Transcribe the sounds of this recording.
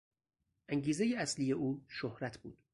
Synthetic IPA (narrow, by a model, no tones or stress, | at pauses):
ʔæŋɟiːzejeæslije̞ʔuːʃohɾæt̪ʰbṵːd̪̥